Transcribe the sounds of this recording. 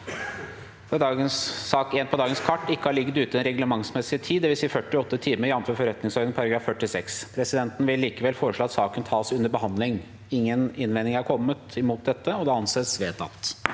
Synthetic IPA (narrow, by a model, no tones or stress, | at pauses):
fd̪ɑːɡənsɑːkeːnpʰɔd̪ɑːɡənskʰɑʈːɪkːəhɑɭɪɡːət̪ʉːt̪əɛnɾɛɡləmɑŋsmɛsːɪt̪ʰiːd̪ɛʋɪlsiːəfœʈːɪɔt̪ːət̪ʰiːməɾjɑnt̪føːɾfɔɾɛt̪nɪŋsɔɾd̪ənpʰɔɑɾɑɡɾɑːffœʈːɪsɛkspʰɾɛsɪd̪ɛnt̪n̩ʋɪlːiːkəʋɛlfoːɾəʂɭoːɑt̪sɑːkənt̪ʰɑːsʉnəɾbəhɑnd̪lɪŋ | ɪŋːənɪnʋɛnɪŋæɾkʰɔmːət̪ɪmuːt̪̚d̪ɛt̪ːəɔd̪ɛɑnseːsʋeːt̪ɑ̰t̪ː